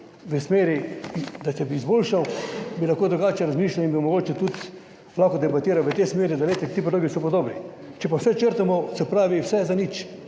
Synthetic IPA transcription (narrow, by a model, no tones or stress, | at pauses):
ʋəsmeːɾid̪at͡ʃɛbiːzboːlʃawbilaxkoːd̪ɾuɡaːt͡ʃɛɾazmiːʃlawinbimɔɡoːt͡ʃɛt̪ut̪ | laːkod̪ɛbat̪iːɾawʋət̪esmeːɾid̪aleːt̪ɛt̪iːp̬od̪loːɡisɔpod̪oːbni | t͡ʃɛpawsɛt͡ʃəɾt̪amɔsɛpɾaːʋiwsɛzanit͡ʃ